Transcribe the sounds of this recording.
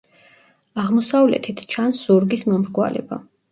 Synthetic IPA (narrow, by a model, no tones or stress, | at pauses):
aʁmɔsavlɛ̰t̪ʰit̪ʰt͡ʃʰansuɾɡismɔmɾɡwa̰lɛ̰ba̰